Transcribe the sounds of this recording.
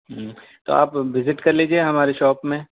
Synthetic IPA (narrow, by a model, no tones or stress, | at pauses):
ɦ | t̪o̰ːa̰ːpʋɪzɪʈkɐɾliːd͡ʒieɦɐmaːɾeʃɔːpmẽ